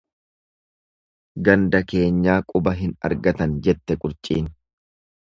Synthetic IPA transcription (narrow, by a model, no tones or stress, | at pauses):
ɡɐnd̪ɐke̞ːɲːaːkʼʊbɐɦɪnɐ̰ɾɡɐt̪ɐnd͡ʒɛt̪ːɛkʼʊɾt͡ʃʼḭːn